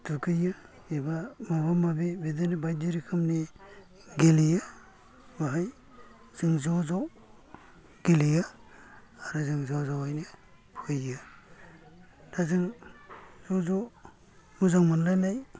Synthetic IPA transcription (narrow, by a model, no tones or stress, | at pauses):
tukʰɯjɯ | ibamaβamabibidanibajdiɾikʰɯmni | ɡelija | baɦaj | z̥ɯŋzɔzɔw | ɡ̥elija | aɾɯzɯŋzawzawajnɯ | pʰɯjɯ | dazɯŋ | zɔzɔ | muzaŋmanlanaj